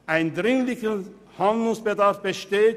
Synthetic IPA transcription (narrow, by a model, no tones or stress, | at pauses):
ʔaɪndʁɪŋlɪçə | handlʊŋsb̥ədaɐfb̥əʃteːt